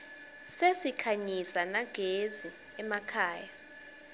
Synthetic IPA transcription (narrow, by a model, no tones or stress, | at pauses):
sesikʰaɲizanaɡ̥ʱezi | ɛmakʰaːja